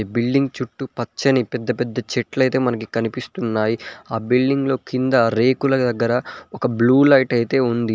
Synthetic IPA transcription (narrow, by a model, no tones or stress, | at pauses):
bilɖiŋɡt͡ʃuʈːupɐt͡ʃːɐnipɛd̪ːɐpɛd̪ːɐt͡ʃeʈlɐjt̪e̞ːmɐnɐkikɐnipist̪unːaːjiaːbilɖiŋɡlo̞ːkind̪ɐɾe̞ːkulɐd̪ɐɡːɐɾɐɔkɐbluːlɐjʈɐjt̪e̞ːund̪i